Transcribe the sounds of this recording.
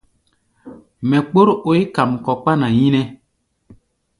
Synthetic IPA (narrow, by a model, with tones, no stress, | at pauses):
mɛ˨k͡po˦ɾo˨˦jka˨mkɔ˨k͡pa˦na˨jĩ˦nɛ˦